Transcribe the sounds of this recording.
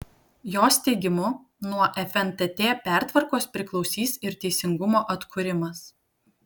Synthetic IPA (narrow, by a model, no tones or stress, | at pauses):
joːst̪ʲɛɪɡʲɪmʊ | nuɔʔɛfʲɛnt̪ɛt̪ʲeːpʲæˑɾt̪ʋɐɾkoːspʲɾʲɪklˠɒʊsʲiːsɪɾt̪ʲɛɪsʲɪŋɡʊmoːʔɐt̪kʰʊɾʲɪmɐs